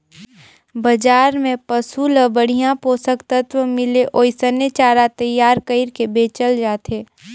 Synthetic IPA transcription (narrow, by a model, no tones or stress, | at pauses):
bɐd͡ʒaːɾmẽpɐsuləbəɽ̤ijãpoːsəkt̪ət̪ʋəmɪleʔoːsənet͡ʃaːɾat̪ɐjːaːɾkəɪɾkebeːt͡ʃəld͡ʒaːt̪eː